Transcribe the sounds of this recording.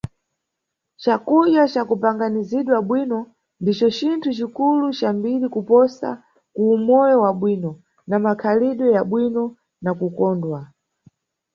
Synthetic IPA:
t͡ʃakuʄjat͡ʃakupaŋɡaniziɗwaɓwinɔ | ndit͡ʃɔt͡ʃintʰut͡ʃikulut͡ʃambilikupɔsa̰ | kuːmɔjɔwaɓwiːnɔ | namakʰaliɗwɛjaɓwinɔ | nakukɔːndwa

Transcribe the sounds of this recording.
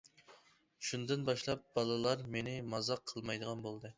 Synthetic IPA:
ʃund̪ɨnbɑʃlˠɑp̚b̥ɑlˠɨlˠɑɾmenɪmɑzɑqʰːəlˠmɑjd̪əʁɑnbolˠd̪ɨ

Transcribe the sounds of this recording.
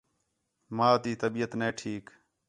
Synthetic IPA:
maːt̪iːt̪əbiːət̪neːʈʰiːk

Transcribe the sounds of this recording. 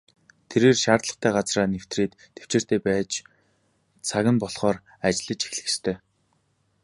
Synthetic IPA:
t̪ʰeɾeːrʃaːrt̪ɮə̆χt̪ʰæːɢat͡sraːnew̥t̪reːt̪ːe̥w̥t͡ɕeːr̥t̪ʰeːpæːt͡ɕ | t͡sʰaɣʲɪ̆mpɔɮχɔːr | at͡ɕɪɮɘ̆t͡ɕe̥xɮɘ̆xst̪ʰœː

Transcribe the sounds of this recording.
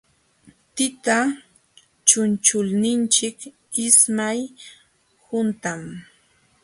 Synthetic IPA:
t̪ɪt̪a | t͡ʃʊnt͡ʃʊlnɪnt͡ʃɪk | ɪsmaj | hʊnt̪am

